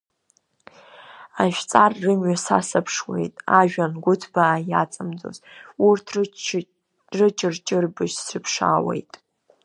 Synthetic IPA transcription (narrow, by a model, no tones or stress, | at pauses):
aʒᶣt͡sʼarːɨmɥasa̰sapʰʂwe̞̰jtʼaʒᶣanɡʷʊtʰbaːjat͡sʼamd͡zo̰zurtʰ | rɨt͡ʃʼɪrt͡ʃʼɪrbɨʒsrɨpʰʂa̰wḛjtʼ